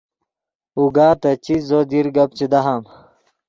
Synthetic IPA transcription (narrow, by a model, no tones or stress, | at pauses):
uɡaːt̪ɐt͡ɕizod̪iɾɡɐp̚t͡ɕid̪ɐɦam